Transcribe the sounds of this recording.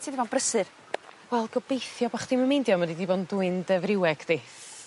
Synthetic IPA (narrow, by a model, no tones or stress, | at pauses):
tʰidibɔːnbrəsɨr | wɛlˠɡɔbejθjɔbaχd̥iməmejndjɔmədidibɔnduɨndɛvrɪwɛɡ̥d̥eːθ